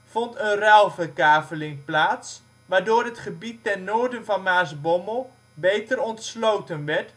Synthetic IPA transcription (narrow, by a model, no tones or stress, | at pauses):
v̥ɔntənrɛlˠvərkaːvəlɪŋplaːts | ʋaːɹdoːɹɦətχəbitːɛrnoːɹdənvɑnmaːsbɔməlˠ | bejtəɾɔntslowtənʋɛɹt